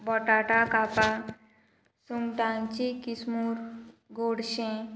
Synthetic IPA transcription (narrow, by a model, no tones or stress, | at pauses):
bɔʈaʈakapa | suŋʈãnt͡ɕikismuːɾɡoɽɕẽ